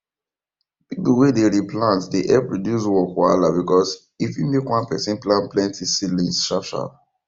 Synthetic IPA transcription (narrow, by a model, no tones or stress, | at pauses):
bipəwedeɹiplãntdeʔɛpɹɔdjuswɔkwalabikɔs | ifjumekwãnpɛsɛ̃nplãnplɛ̃ntʰisilĩnstɹap̚t͡ʃa̰l